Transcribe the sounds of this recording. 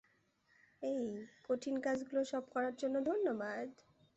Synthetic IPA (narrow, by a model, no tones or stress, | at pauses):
ejkoʈʰinkad͡ʑɡuloʃɔb̚kɔɾaɾd͡ʑonːod̪ʱonːobad̪